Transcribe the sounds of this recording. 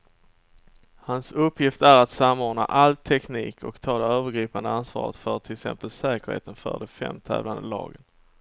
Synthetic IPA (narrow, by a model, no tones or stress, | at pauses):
hansɵpʰːjɪft̪æɾat̪samːoːɳa̰ʔalt̪ʰɛkniːkʰɔkt̪ʰɑːlaøːvəɾɡɾiːpand̪əansvɑ̰ːɾət̪fœʈ̪ʰɪləksɛ̰mpəlsɛːkəɾhḛːt̪ənfœ̰ɖɛfɛ̰mːt̪ʰɛːvland̪əlɑ̰ːɡən